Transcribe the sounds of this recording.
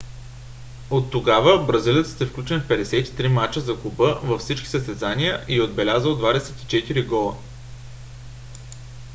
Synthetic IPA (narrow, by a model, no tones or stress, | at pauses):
ot̪ːoɡavəbɾɐzilʲət̪ə̥t̪ɛfklʲut͡ʃɛnfpɛd̪ɛsɛt̪i̥t̪ɾimat͡ʃəzɐkubɤvɐfsit͡ʃkʲi̥zəst̪ɛzanijəʔiod̪bɛlʲazəlˠd̪vad̪ɛsɛt̪i̥t͡ʃɛt̪iɾiɡɔlˠə̰